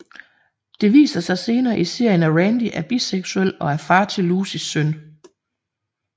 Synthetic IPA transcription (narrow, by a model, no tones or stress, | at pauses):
d̥e̝ʋḭːsɐsɑ̈ɪse̝ːnɐːʔise̝ɐ̰jənæʁænd̥iʔæɐb̥iseɡ̥suel̰̥ɒ̽æɐfɑ̈ːt͡sʰe̝lːuːsisːøn̰